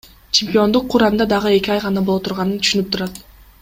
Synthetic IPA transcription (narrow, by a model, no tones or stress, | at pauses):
t͡ʃʰemʲpʲio̞nd̪uqʰːuɾɑnd̪ɑd̪ɑʁɯe̞kʲiɑjqɑnɑbolˠot̪ʰuɾʁɑnɯnt̪ʰy̥ʃynyp̚t̪ʰuɾɑt̪